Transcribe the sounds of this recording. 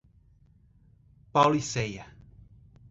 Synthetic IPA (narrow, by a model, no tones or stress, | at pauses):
pawliseja